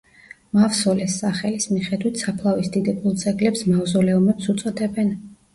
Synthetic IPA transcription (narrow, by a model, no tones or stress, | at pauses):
mafsɔlɛsːaχɛlismiχɛd̪wit̪ʰsapʰlˠavisd̪id̪ɛbulˠt̪sʼɛɡlɛpsmavzɔlɛumɛpsut̪sʼɔd̪ɛbɛn